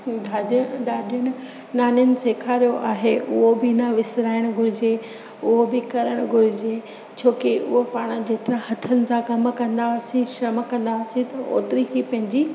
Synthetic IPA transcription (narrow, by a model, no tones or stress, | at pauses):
d̪ʱaːd̪ɗaːɗʊñɪ | naːnənɪ̆seːkʰaːɾijoʔaːɦeʔʊɦobɪnɐʋɪsɾaːɪɽ̃ʊɡʱʊɾɪd͡ʑe | ʊɦobɪkɐɾəɽ̃ʊɡʱʊɾɪd͡ʑe | t͡ɕʰoːkiʊ̰ɦopaːɽ̃ə̆d͡ʑeːt̪ɪɾãɦɐt̪ʰənɪ̆sãkɐmkɐ̃nd̪aʊsĩʃɾɐmkɐ̃nd̪asĩt̪ɐo̰ːt̪ɪɾiɦipɐ̃ɦɪ̃ɲd͡ʑiː